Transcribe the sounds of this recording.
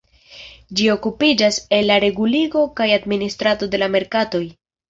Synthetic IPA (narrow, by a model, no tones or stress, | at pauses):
d͡ʒio̞kupid͡ʒase̞lːaɾe̞ɡuliɡo̞kajadministɾato̞de̞lame̞ɾkato̞j